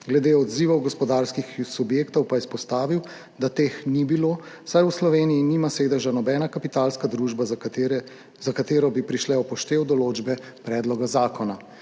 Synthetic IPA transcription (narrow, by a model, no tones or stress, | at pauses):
ɡlɛd̪eːɔd̪ziːʋɔwɡɔspɔd̪aːɾskixsubjeːkt̪ɔwpaɛspɔst̪aːʋiw | d̪at̪eːxnibiloːsajuslɔʋeːnijinimasʋeːd̪ɛʒanɔbɛːnakapit̪alskad̪ɾuʒba | zakat̪eːɾɔbipɾiʃlɛɔpɔʃt̪eːwd̪ɔloːd͡ʒbɛ | pɾɛːd̪lɔɡazaːkɔna